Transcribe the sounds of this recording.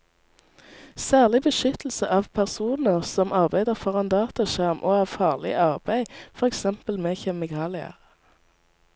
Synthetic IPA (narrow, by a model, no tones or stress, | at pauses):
sæːʁlɪbəʃʏt̪l̩səʔɑːʋpʰæʁsuːnəʁsɔmʔɑʁbæɪd̪əʁfɔʁɑnd̪ɑːt̪ɑʃæʁmʔoːɑːʋfɑːʁlɪ̰ʔɑʁbæɪfɔʁɛksɛmpəlmeːçɛmɪkʰɑːlɪə̰ʁ